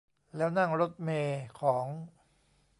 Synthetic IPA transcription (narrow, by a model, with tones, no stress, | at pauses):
lɛː˦˥wna˥˩ŋɾo˦˥t̪̚meː˧kʰɔː˩˦ŋ